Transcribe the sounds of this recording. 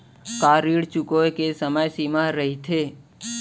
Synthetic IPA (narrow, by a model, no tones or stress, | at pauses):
kaːɾiɽt͡ʃukojkesəməjsimaɾəɦit̪ʰeː